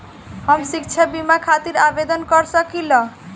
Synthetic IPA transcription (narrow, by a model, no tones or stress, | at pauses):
ɦəmsikt͡ʃʰabimakʰat̪iɾabed̪ənkəɾsəkilə̃